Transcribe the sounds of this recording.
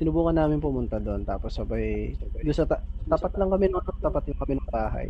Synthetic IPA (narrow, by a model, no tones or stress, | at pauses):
sɪnʊbuːkɐnːaːmɪnpʊmʊnt̪ad̪oʔont̪aːposɐbɐjjʊnsɐt̪ɐt̪apɐt̪lɐŋkɐmɛnɐŋt̪apɐt̪̚jʊŋkɐmɛnɐŋbaːɦɐ̰j